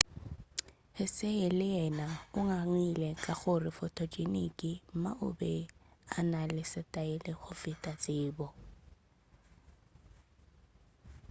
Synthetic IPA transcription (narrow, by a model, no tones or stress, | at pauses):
hɪseɪlɪjɛnaʊŋaŋilɛkʼaɣʊrɪfɔtʰɔd͡ʒʼenḭkʼɪm̩ma̰ʔʊ̰bɛanalɪsɪtʼaɪlɪɣʊfɪtʼat͡sʼɪːbɔ